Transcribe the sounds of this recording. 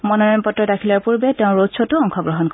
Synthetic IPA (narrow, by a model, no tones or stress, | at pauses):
mɔnɔnɔnpɔtɹɔdakʰilaɹpuɹbɛtɛʊ̃ɹotsʰɔtʊɔŋkʰɔɡɹɔɦɔnk